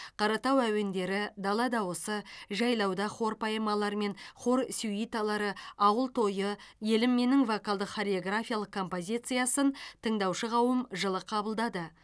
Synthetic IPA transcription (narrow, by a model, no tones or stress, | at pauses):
qʰɑɾɑt̪ɑwæwe̞nd̪e̞ɾɪd̪ɑlˠɑd̪ɑwosəʒɑjlˠɑwd̪ɑχo̞ɾpʰɑjəmɑlˠɑɾme̞nχo̞ɾsʲuijt̪ɑlˠɑɾəɑwəlˠt̪ʰo̞jəje̞lɪmːe̞nɪŋvokɑlˠd̪əqχoɾʲeo̞ɡrafʲijalˠəq̚kʰːo̞mpo̞zʲijt̪sɨjasənt̪ʰəɴd̪ɑwʃəʁɑwəmʒəlˠəqʰɑbəlˠd̪ɑd̪ə